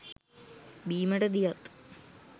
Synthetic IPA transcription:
biːmɐɽɐd̪ijɐt̪

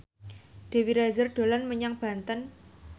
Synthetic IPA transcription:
d̪̥e̤wiɾazərɖ̪̥o̤lanməɲaŋb̥ä̤nt̪ən

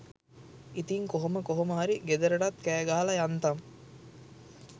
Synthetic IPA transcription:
it̪iŋkoɦoməkoɦoməɦaɾiɡed̪əɾəɖat̪kæːɡaɦalɐjant̪am

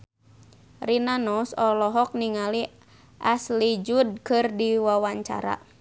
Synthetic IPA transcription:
rinanɔsɔlɔɦɔk̚niŋali | ʔaslid͡ʒud̚kɨrdiwawaɲt͡ʃa̰ɾa̰

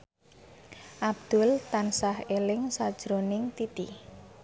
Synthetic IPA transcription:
ʔab̚d̪̥ʊlt̪ansahelɪŋsad̥ʒ̥ɾonɪŋt̪it̪ḭ

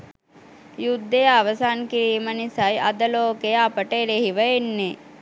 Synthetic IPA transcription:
jud̪ːejəaʋəsaːnkiɾiːmənisajʔad̪əloːkejəapəʈəeɾeɦiʋəenːe

